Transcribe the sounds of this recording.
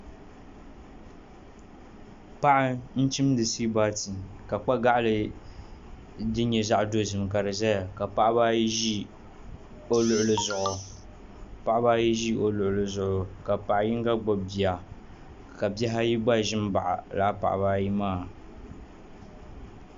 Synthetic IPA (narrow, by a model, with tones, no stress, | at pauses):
pa˦ʔɪ˦n̩˦t͡ʃi˦m˦dɨ˨si˦baː˦ti˨ka˨k͡pa˦ɡa˦ʔa˦lɨ˨ | dɨ˦ɲɛ˨za˦ʔdo˦zɨ˨mka˨ɾɨ˨zɛ˦a˨ka˨pa˦ʔba˦ʒi˦ | o˦lʊ˨ʔʊ˨lɨ˨zʊ˨ʔʊ˨ | pa˨ʔa˦ba˦ji˦ʒi˦o˨lʊ˨ʔʊ˨lɨ˨zʊ˨ʔʊ˨ka˨pa˨ʔji˦ŋ˦ɡa˦ɡ͡bo˨bi˨a˨ | ka˨bjɛ˦ɦa˦ji˦ɡ͡ba˦˨ʒɪ˦m˦ba˨ʔa̰˨la̰˨˦pa̰˨ʔbaː˦ji˦maː˦˨